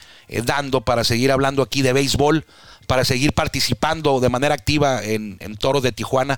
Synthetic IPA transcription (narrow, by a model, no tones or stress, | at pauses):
ḛðand̪o̞paɾase̞ɣiɾaβland̪oakiðe̞βejzβo̞l | paɾase̞ɣiɾpaɾt̪isipand̪o̞ðe̞mane̞ɾaːk̚t̪iβaenḛnt̪o̞ɾoðe̞t̪ixwana